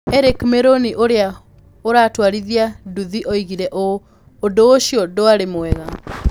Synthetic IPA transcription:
ɛɾekmeɾoniʔoɾea | oɾatwaɾiðiaduðiʔɔiɣiɾɛʔoː | dooʃijɔdoaɾemoɛɣa

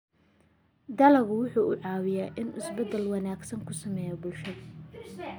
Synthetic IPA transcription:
d̪ɐlɐɣʊwʊħuːʔʊʕɑːwɪjaːʔɪnɪsbɐd̪ɛlwɑnaːɡsɐŋkʰʊsɐmɛːjɐbʊlʃɐðɐ

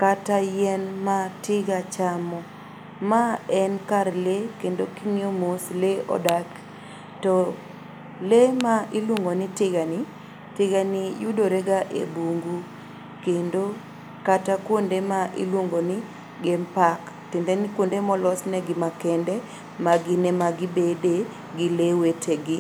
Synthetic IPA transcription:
katajɛnmatɪɡat͡ʃamɔ | maɛnkaɾlekendokiŋiomosleɔ̰dak | tɔ | lemaʔilwoŋɡonitɪɡani | tɪɡanijudoɾeɡaʔḛbuŋɡu | kendo | katakwondemaʔḭlwoŋɡoni | ɡɛmpak | tɪndɛnɪkwondemɔlɔsnɛɡɪmakɛndɛ | maɡɪnɛmaɡɪbede | ɡɪlewetʰeɡɪ

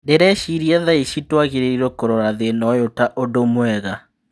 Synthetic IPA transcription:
deɾɛʃiɾiɛðaiʃitwaɣiɾeiɾokoɾoɾaðenɔjotaʔodomwɛɣa

